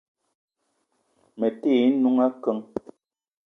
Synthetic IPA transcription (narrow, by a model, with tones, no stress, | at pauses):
mɛ˨teː˦˨˦nu˦ŋa˦kə˦ŋ